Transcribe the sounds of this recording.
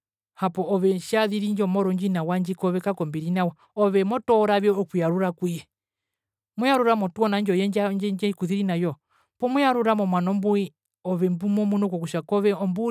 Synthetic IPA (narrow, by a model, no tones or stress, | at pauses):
hapɔɔβɛʃaðiɾiɲd͡ʒɔmɔɾɔɲd͡ʒinawaɲd͡ʒikɔβɛkakɔmbiɾinawa | ɔβɛmɔtɔɾaβjɔɔkujaɾuɾakiɛ | mujaɾuɾamɔtuɔnand͡ʒɔjɛɲd͡ʒad͡ʒɛɲd͡ʒɛkuðiɾinajɔ | pɔmujaɾuɾamɔmwanɔmbui | ɔβɛmbumɔmunɔkɔkuʃakɔβɛɔmbu